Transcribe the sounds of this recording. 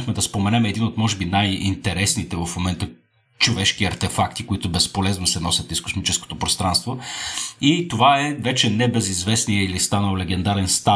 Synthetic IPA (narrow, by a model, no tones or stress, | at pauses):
xmɛd̪ɐspomɛnɛmɛd̪inot̪mɔʒɛbinajḭnt̪ɛɾɛsnit̪ɛvɐfmomɛnt̪ə | t͡ʃovɛʃkiɐɾt̪ɛfak̚t̪ikoit̪ʊbɛspolɛznosɛnɔsʲjət̪iskʊ̥smit͡ʃɛsko̥t̪opɾost̪ɾanst̪vo | it̪ovaɛvɛt͡ʃɛnɛbɛzizvɛsnijəilist̪anəlˠlɛɡɛnd̪aɾɛnst̪a